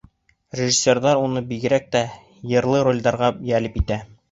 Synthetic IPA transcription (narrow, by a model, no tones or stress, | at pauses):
rʲɪʒisʲːe̞rðɑɾunɤbiɡɘ̆ɾæk̚t̪æ | jɤ̆ɾlˠɤɾo̞lʲd̪ɑɾʁɑjælɘpit̪æ